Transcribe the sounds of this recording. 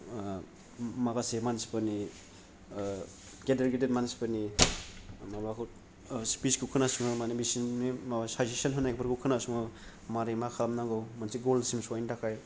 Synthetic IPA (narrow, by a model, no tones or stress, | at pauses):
makasemansi̥pani | ɡedaɾɡedetmansi̥pani | mabaku | spisɡukʰɯnasuŋɯmanibisinmimawasazisanɦɯnajk̚pɯɾɡukʰɯnasuŋɯ | maɾemakʰalamnaŋɡɯwmansiɡolsimsajndakʰaj